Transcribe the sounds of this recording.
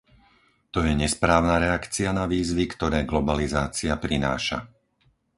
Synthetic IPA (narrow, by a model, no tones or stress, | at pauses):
t̪ɔjɛɲɛspɾaːʊnaɾɛakt͡sianaʋiːzʋikt̪ɔɾɛːɡlɔbalizaːt͡siapɾina̰ːʃa̰